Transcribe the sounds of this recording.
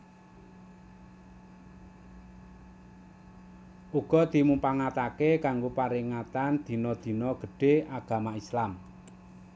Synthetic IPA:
ʔuɡ̥ɔ̤d̪̥i̤mupaŋat̪akekaŋɡopaɾiŋat̪and̪̥i̤nɔd̪̥i̤nɔɡ̥ə̤ɖ̥e̤ʔaɡ̥a̤maislam

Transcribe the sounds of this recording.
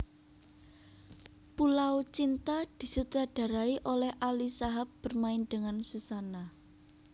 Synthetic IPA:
pulawt͡ʃint̪ad̪̥i̤sut̪ɾaɖ̥a̤ɾaiʔolɛhʔalisaɦap̚b̥ərmainɖ̥ə̤ŋansusana

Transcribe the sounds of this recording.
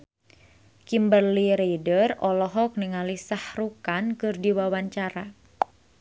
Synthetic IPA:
kimbərliɾejdərɔlɔɦɔk̚niŋalisahrukankɨrdiwawaɲt͡ʃaɾa

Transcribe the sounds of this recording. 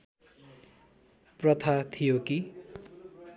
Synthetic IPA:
prʌt̪ʰat̪ʰijoki

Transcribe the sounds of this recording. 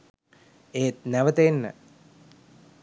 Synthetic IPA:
eːt̪̚næʋət̪enːə̰

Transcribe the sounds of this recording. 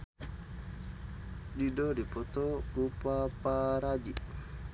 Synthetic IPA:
didɔdipɔt̪ɔkupapaɾad͡ʒiʔ

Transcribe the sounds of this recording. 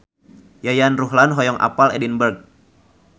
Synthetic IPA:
jajanruɦlanɦɔjɔŋʔa̰palɛdinbərɡ̚

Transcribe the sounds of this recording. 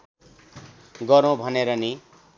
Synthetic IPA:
ɡʌɾõbʱʌneɾʌni

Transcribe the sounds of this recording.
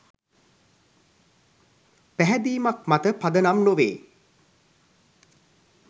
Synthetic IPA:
pæɦɛd̪iːmak̚mat̪əpad̪ənamnoʋḛː

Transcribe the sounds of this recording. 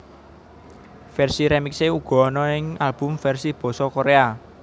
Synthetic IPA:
fɛrsiɾɛmikseuɡ̥ɔ̤ːnɔɪŋalb̥ʊ̤mfɛrsib̥ɔ̤sɔkoɾea

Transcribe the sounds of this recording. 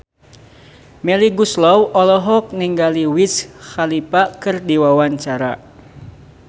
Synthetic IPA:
mɛliɡuslɔwʔɔlɔɦɔk̚niŋɡaliwisxalipakɨrdiwawaɲt͡ʃaɾa

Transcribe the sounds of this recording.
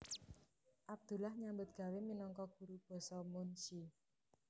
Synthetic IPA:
ʔab̚d̪̥ṳlahɲambʊt̪̚ɡ̥ä̤weminɔŋkɔɡ̥ṳɾub̥ɔ̤sɔmunsi

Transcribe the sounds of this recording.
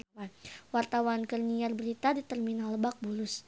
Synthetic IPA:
awart̪awankərniarbəɾit̪adit̪ərminaləbak̚bulʊs

